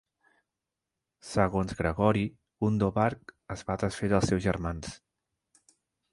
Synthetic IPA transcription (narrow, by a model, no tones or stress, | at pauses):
səɣonzɣɾəɣɔɾi | und̪oβaɾkəzβat̪ɾəsfeɾəlˠsɛwzʒəɾmans